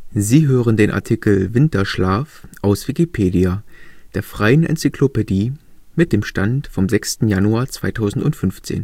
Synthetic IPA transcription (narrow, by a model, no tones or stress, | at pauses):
ziːɦøːʁəndeːnʔa̰ɐtʰikl̩vɪntɐʃlaːfʔaʊsv̥ikipʰeːdiad̥eːɐfʁ̥aɪənʔɛ̰nt͡sikʰl̥opediːmɪt̚d̥eːmʃtantfɔmzɛkstn̩januaːɐt͡sv̥aɪtʰaʊzn̩tʊntfʏnft͡sḛːn